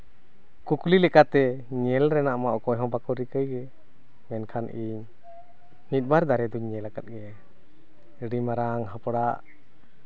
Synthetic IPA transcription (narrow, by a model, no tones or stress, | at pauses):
kuklilɛkat̪ɛɲɛlɾɛnaʔmaʔɔkɔjɦɔ̃bakɔɾikəjɡɛ | mɛnkʰanʔiɲ | mit̪̚ˀbaɾd̪aɾɛd̪uɲːɛlakat̪̚ˀɡɛa | əɖimaɾaŋɦapɽaʔ